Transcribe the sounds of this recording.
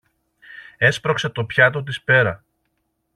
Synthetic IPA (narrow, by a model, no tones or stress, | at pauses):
e̞spɾo̞kset̪o̞pçɐt̪o̞t̪̬ispe̞ɾɐ